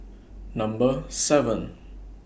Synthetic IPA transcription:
nʌ̃mbəsɛvə̃n

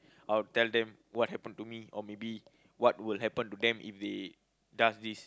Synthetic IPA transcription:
ʔaɪltɛldɛ̃m | wɔt̚hɛpə̃ntumiɔmebi | wɔt̚wilɦɛpə̃ntudɛ̃mʔḭfde | dasdis

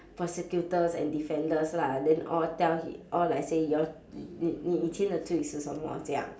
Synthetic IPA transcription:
pʰɹɔsɛkjutəsɛ̰̃ndifɛ̃ndəsladɛ̃nɔltɛlhḭʔɔlaɪsejɔ | iniĩtʰẽndətʰuisusɔ̃mwɔ̰sɛa̰

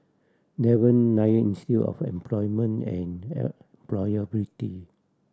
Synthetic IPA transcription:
dɛwə̃nːajəinistiɔ̰fɛ̰̃mplɔjmə̃nɛ̃nɛmplɔjəbiti

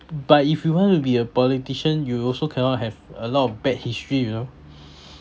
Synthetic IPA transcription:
b̥atifjuwɔ̃ntubiəpɔlitiʃə̃njuɔlsokʰɛnɔt̚ɦɛvəlɔtɔfbɛt̚histɹijuno

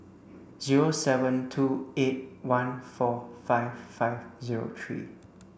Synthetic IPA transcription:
ziɹosɛvə̃ntʰuet̚wãnfɔfaɪvfaɪvziɹo̰t̪ʰɹḭ

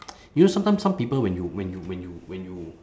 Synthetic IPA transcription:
junosãmt̪ãjmsãmpipəlwɛ̃njuwɛ̃njuwɛ̃njuwɛ̃nju

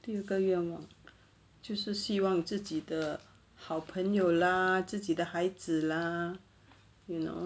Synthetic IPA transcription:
t̪iəɡəɥɛnwɑŋ | t͡ɕjoʊʂɻ̩ɕiwɑŋt͡sɹ̩t͡ɕid̪ə | xɑʊpʰəŋjoʊlət͡sɹ̩t͡ɕid̪əxaɪd͡zɹ̩lə | ino̰

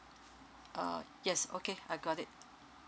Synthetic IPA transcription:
ʔʌ̰jɛsokeaɪɡɔɾɪt̚

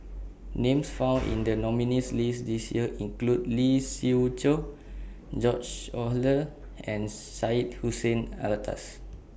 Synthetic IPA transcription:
nẽmsfãw̃nḭ̃ndənɔminislisdisjiəʔĩŋkludlisit͡ʃo | d͡ʒɔt͡ʃɔlə | ɛ̃n | sait̚husə̃na̰lətʰa̰s

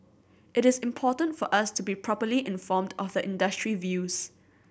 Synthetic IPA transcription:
ʔɪɾɪsɪ̃mpʰɔːtə̃ntfɔʔastʰubipʰɹɔpəliʔɪ̃nfɔmdɔfðəʔɪ̃ndəstɹivjuːs

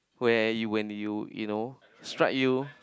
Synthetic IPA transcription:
wɛjuwɛ̃njujṵno | stɹa̰k̚ju

